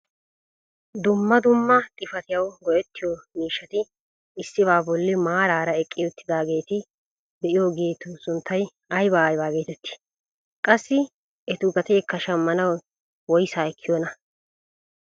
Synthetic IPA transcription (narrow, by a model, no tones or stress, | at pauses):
d̪ʊmːɐd̪ʊmːɐt̪ʼɪfɐt̪ɪjɐwɡɔʔɛt̪ːɪjomiːʃːɐt̪ɪ | ɪsːɪbaːbɔlːɪmaːɾaːɾɐɛkʼːɪjɔt̪ʰːɪd̪aːɡe̞ːt̪ɪ | d̪ɛʔɪjoːɡeːt̪ʊsʊnt̪ʰːɐj | ɐjbaːjbaːɡe̞ːt̪ɛt̪ːɪ̥ | kʼɐsːɪ | ɛt̪ʊɡɐt̪eːkːɐʃɐmːɐnɐw | wɔjsaːɛkːɪjoːnɐ